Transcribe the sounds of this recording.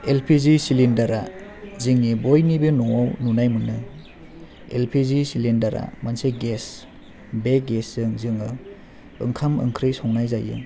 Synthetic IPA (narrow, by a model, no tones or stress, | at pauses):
elpʰizisilindaɾazɯŋibojnibenɔawnunajmɯnɯ | elpʰizisilindaɾa̰manseɡes | beɡeszɯŋzɯŋɯ | ɯ̰ŋkʰamɯ̰ŋkʰɾɯjsɔŋnajzajɯ̰ŋ